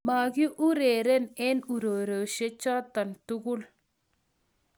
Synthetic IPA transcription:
maː˨ɡi˦ʔu˦ɾeː˨ɾe˦ne˦nu˨ɾo˨ɾə˨wʃe˦t͡ʃa˦t̪ɐ˨nt̪u˦ɡu˦l

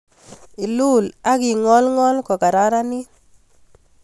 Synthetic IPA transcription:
ɪ˨lu˦˨la˦kɪ˨ŋɔ˦lŋɔ˦lkɔ˨ka˨ɾa˦ɾa˦nɪ˦

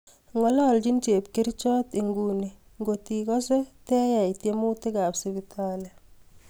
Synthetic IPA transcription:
ŋwɔ˨lɔ˦ld͡ʒi˦nt͡ʃe˨p̚ke˦ɾt͡ʃɔː˦ti˨ŋɡuːni˨ | ŋɡoti˨kɔ˦sɛ˦tɛː˦ja˨itjemu˦te˦ka˨psi˨ɡi˨tʰa˦lɛ

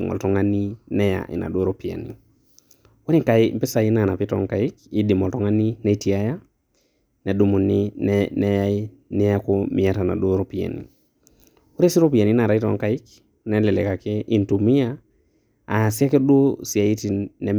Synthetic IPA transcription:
ŋɔ̰˨tɔ˦ŋa˦ni˦nɛ˦ja̰˨ʔḭ˨na̰˨do˦ɾo˦pi˨a̰˨nḭ˨˦ | ɾi˦ŋka˨ɪ˦mpɪ˦sa˨i˦na˨na˨pi˦tɔ̰˨˦ŋka˨ɪ˦ki˦di˨mɔ˨ltɔ˦ŋa˦ni˦ne˨˦ti˨a˦ja˦ | nɛ˨du˦mu˨ni˦nnɛ˦ja˦i˦ | ni˦a˦ko˦mɪ˨a˦ta˨na̰˨do˦ɾo˦pi˨a̰˨nḭ˨ | u˦ɾi˦si˦ɾo˦pi˨a˨ni˦na˨ɾa˨˦i˦tɔ̰˨˦ŋka˦ɪ˦k | nɛ˦lɪ˨lɛ˨ka˨kɛ˦ʔi˨ntu˨mi˦a˦ | a˨si˦a˦kɛ˦do˦si˨a˨i˦ti˨nɛ˨

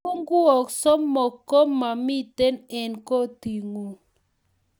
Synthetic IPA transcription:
u˦ŋɡu˦ɔ˨ksɔ˦mːɔ˨kːɔ˦mːa˨mi˦te˦nɛ˨nko˦ti˨ŋo˨

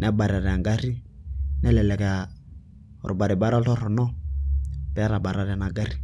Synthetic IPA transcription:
na˦ba˨ɾa˨ɾɛ˨a˨ŋɡa˦ɾi˦nɛ˦lɛ˨lɛ˨ka˨ | ɾʔu˨ba˨ɾi˨ba˦ɾɔ˦ɬɔ˦ɾɔ˨nɔ˦ | pɛ˦a˦ɾa˨ba˨ɾa˨˦ɾɛ˨na˨ɡa˦ri˦

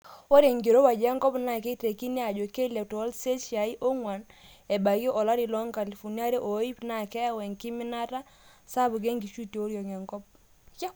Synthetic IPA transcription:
wo˦ɾe˨ŋɡe˨ɾo˦wa˨d͡ʒa˦ŋɡɔ˦pna˨ke˦te˨ki˦ne˦a˨d͡ʒo˨ke˦le˨tɔ˨˦lse˦ʃi˨a˨i˦ʔo˦ŋwa˨nɛ˨ba˨ɣɔ˦ʔɔ˨la˦ɾi˨lɔ˦ŋka˨li˨fɔ˨ni˦a˦ɾe˦ʔo˨˦i˦pna˦˨kɛ˦wɛ˨ŋki˦mɪ˦na˦ta˦ | sa˦bu˨ɡ̬e˦ŋɡi˨ʃu˦te˨o˦ɾjɔ˨ŋa˨ŋɡɔ˦p̚ | ka˦

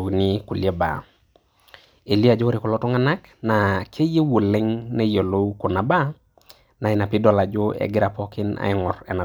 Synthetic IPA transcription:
ni˦ku˨lje˦ba̰˨ | e˨li˦a˨d͡ʒo˦ɾi˨kɔ˨lɔ˦tɔ˦ŋa˦na˦k | na˨kʰe˦je˦wo˨le˦ŋne˦jo˨lo˦wko˨na˨ba˦ | na˨ɪ˨na˨pi˦dɔ˨la˨d͡ʒo˦ɛ̰˨ɡɪ˦ɾa˨pɔ˦kɪ˦na̰˨˦ŋɔ˨ɾɛ̰˨na˨

